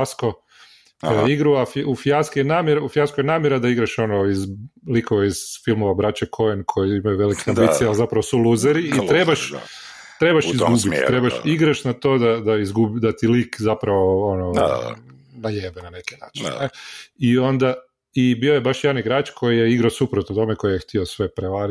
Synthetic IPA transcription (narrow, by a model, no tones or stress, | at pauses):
asko | kojiɡɾuafufjaskijenaːmjeɾufjaskojenaːmjeɾad̪aiɡɾaʃo̞noizlikoʋeiz̥filˠmoʋabɾat͡ɕekʰojenkʰo̞jiimajuʋe̞likeambisiealzapɾaʋosulˠuzeɾiːtt̪ɾebaʃ | t̪ɾe̞baʃizɡubit̪ɾebaʃiɡɾaʃnat̪o̞ːd̪ad̪aizɡubid̪at̪ilikzapɾaʋoono̰ | najeːbenane̞ki̥na̰ːt͡ʃineio̞nd̪a | ibio̞jebaʃjed̪aniɡɾaːt͡ʃkʰo̞jijeiɡɾasupɾot̪ot̪o̞meko̞jijext̪iosʋe̞pɾeʋaɾi